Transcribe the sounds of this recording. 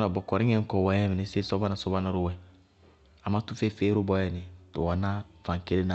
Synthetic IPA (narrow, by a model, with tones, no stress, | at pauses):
na˨bɔ˨kɔ˨ɾĩ˦ŋɛ̃˦ŋ̩˦kɔ˨wa˨jɛ˦mi˨nɛ˨se˦sɔ˦ba˦na˨sɔ˦ba˦na˦ɾo˦wɛ˨ | a˨ma˦tu˦fe˦fe˦ɾo˦bɔ˦jɛ˨ni˨to˨a˨na˦fã˨ŋke˦lẽ˦na˨